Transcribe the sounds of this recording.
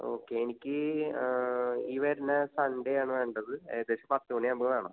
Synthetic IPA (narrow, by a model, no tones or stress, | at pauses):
o̞̰ːkːeenikʲːɨ | iːʋɐɾinɐsɐɳɖejaːɳɨʋe̞ːɳɖɐðɨet̪ːeɕɐmpɐt̪ːuuɳiɐmbɨɣɐɭaːɳo